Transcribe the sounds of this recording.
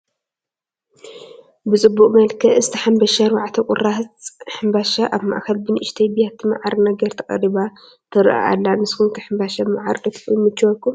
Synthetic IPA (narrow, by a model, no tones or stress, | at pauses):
bɨt͡sʼɨbːuqʼmɐlkʰɐɨzɨt̪ʰɐħambɐʃaɾwaʕt̪ʰɐkʼʊ̰ratħɨmbaʃaʔaβma̰ʔxɐlbɨnɨʔɪʃt̪ʰɐjbijat̪ʰima̰ʕaɾnɐɡɐɾt̪ʰɐkʼɐ̰riβa | t̪ʰɨɾʔa̰ʔa̰lːanɨskunkʰɐħɨmbaʃabɨmaʕa̰ɾkʼɨt̪ʰumɨt͡ʃːwɔkum